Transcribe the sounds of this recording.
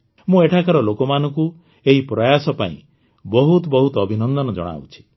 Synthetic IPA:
mũeʈʰakaɾɔlokɔmanɔ̃ŋku | eɦipɾɔjasɔpa̰ḭ̃ | bɔɦut̪ɔbɔɦut̪ɔɔbʱinɔnd̪ɔnɔd͡ʒɔ̰ɽ̃a̰wt͡ʃʰi̥

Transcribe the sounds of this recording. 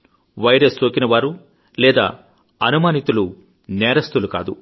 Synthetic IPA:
ʋɐjɾestoːkinɐʋaːɾu | lɛːd̪a̰ː | ɐnumaːnit̪ulu | nɛːɾɐst̪uluka̰ːd̪u

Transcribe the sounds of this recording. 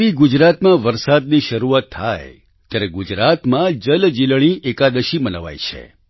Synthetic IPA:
iɡud͡ʒɾat̪mãʋəɾsad̪̚niʃəɾuat̪ʰːaj | t̪jaɾeɡud͡ʒɾat̪mãd͡ʒəld͡ʒilɽ̃iʔekad̪əʃimənəʋa̰jt͡ʃʰḛ

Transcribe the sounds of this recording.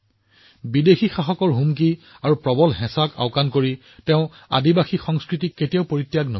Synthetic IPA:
bidexixaxɔkɔɹɦumk̬i | aɹupɹɔbɔlɦɛ̃saka̰ʊkankoɹi | tɛʊ̃ | a̰dibaxixɔŋskɹitikːetijaʊpoɹitːjaɡno̰

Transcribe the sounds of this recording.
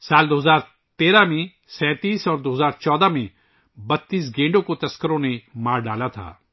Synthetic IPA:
saːld̪oːɦzaːɾ | t̪eːɾamẽ | sɛ̃ːt̪iːsɔːɾd̪oːɦzaːɾt͡ʃɔːd̪aːmẽ | bɐt̪ːiːs̬ɡẽːɳɖõkõt̪ɐskəɾõːnemaːɾɖaːlat̪ʰa̰ː

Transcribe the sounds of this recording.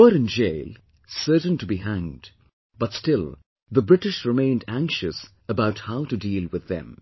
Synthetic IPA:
əɾɨ̃nd͡ʒeɪlˠ | sɜ˞tə̃n̩tɨbiɦæ̃ŋd̥ | b̥ʌtstɪlˠ | ðəbɹɪɾɨʃɹɨmẽɪ̃ndæ̃ŋkʃɨs | əbaʊt̚haʊtɨdiːlˠwɨðɨ̰̃m

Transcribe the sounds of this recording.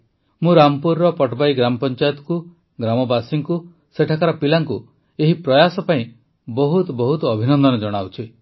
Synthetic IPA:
mũɾampuɾːɔpɔʈbajɡɾamɔpɔnt͡ʃajɔt̪ɔ̥ku | ɡɾamɔbasiŋku | seʈʰakaɾɔpilaŋku | eɦipɾɔjasɔpaĩ | bɔɦut̪ɔbɔɦut̪ɔːbʱinɔnd̪ɔnɔd͡ʒɔɽ̃awt͡ʃʰi

